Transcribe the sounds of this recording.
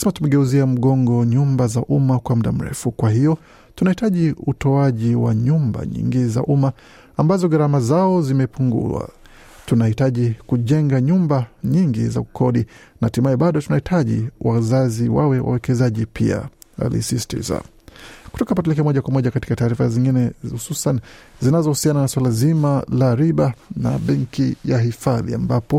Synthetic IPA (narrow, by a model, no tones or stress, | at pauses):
simatumɛɡɛuziam̩ɠɔŋɡɔɲumbazaʔumakwam̩ɗa̰m̩ɾɛ̰fukwahijɔ | tunahitaʄiutɔaʄiwa̰ɲumba̰ɲḭŋɡiza̰ʔumaː | mbazɔɡaɾamazaɔzimɛpuŋɡṵwa̰ | tunahitaʄikuʄɛŋɡaɲumbaɲiŋɡḭzakukʰɔɗi | natimajɛɓaɗɔtunahitʰaʄḭwazaziwawɛwa̰wɛkɛzaʄipʰḭa̰a̰lḭsistḭza̰ | ku̥tɔkapatɛlɛk̬ɛamɔʄakwamɔʄakati̥kataːɾifaziŋɡinɛhususanzinazɔhusiananaswalazimalaɾiɓana̰ɓɛŋkijaɦifaðḭa̰mbapɔ